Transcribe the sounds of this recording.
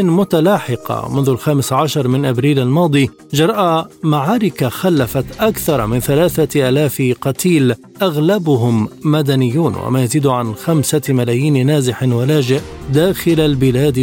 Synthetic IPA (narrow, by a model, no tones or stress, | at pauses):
ɪnmʊt̪alɑːħɪqɑ̰mʊnðʊlxaːmɪsʕaʃɑɾˤmɪnʔabɾiːlalmɑːd̪ˤiː | d͡ʒɑɾˤʔamaʕaːɾɪkaxalːafat̪ʔakθɑɾˤmɪnθalaːθaʔaːlaːfqɑt̪ʰiːl | ʔaɣlabʊɦʊmːad̪anɪjːuːnwa̰maːjaziːd̪ʕanxamsamalaːjiːnnaːzɪħɪwalaːd͡ʒɪʔd̪aːxɪlalbɪlaːd̪